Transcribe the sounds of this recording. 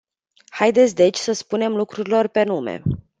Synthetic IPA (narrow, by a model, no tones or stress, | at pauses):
hajd̪et̪sʲd̪e̞t͡ʃʲsəspune̞mlukɾuɾilo̞rpe̞n̪umḛ